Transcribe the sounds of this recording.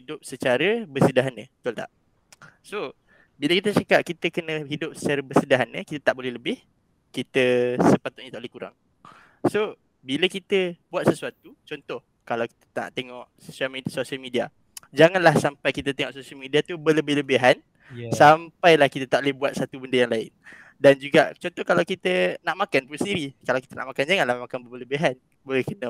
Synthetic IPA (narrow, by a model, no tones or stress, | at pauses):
hidʊp̚sət͡ʃaɾəbəsədaɦanə̃t̪olt̪a̰ʔ | so | biləkit̪ət͡ʃakap̚kit̪əkənə̃ɦidʊp̚sə̥t͡ʃaɾəbəsədaɦanəkit̪at̪aʔbolɛhləbɪh | kit̪əsəpat̪ʊʔ̚ɲət̪aʔolɛhkuɾa̰ŋ | so | biləkit̪əbuat̪səsuat̪ut͡ʃɔnt̪ɔh | kalawki̥t̪ə̥t̪a̰ʔt̪eŋɔʔso̥salmisosialmidia | d͡ʒaŋanlahsampajkit̪ət̪eŋɔʔsosialmidiat̪ubələbɪhləbeɦan | sampajlahkit̪ət̪aʔlehbuat̪̚sat̪ubəndəjaŋlaɪn | dand͡ʒuɡat͡ʃɔnt̪ɔhkalawkit̪ənaʔmakanpunsəndiɾikalawki̥t̪əna̰ʔmakand͡ʒaŋanlahmakanbəbələbeɦan | bolɛhkənə